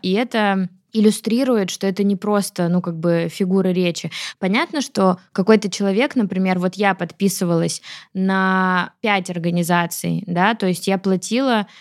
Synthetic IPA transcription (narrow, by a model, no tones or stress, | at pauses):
iɛt̪ə | ɪlʲʊst̪ɾʲiɾʊjɪt̪ʂt̪o̞ɛt̪ənʲɪpɾo̞st̪ənukaɡ̚bɨfʲɪɡuɾɨɾʲet͡ɕɪpɐnʲat̪nəʂt̪o̞kɐko̞jt̪ət͡ɕɪlˠɐvʲe̞knəpɾʲɪmʲe̞rvo̞t̪japɐt̪pʲisɨvəlˠəsʲnɐpʲætʲɐrɡənʲɪzat̪sɨ̰jd̪at̪o̞ɪsʲtʲjaplˠɐtʲilˠə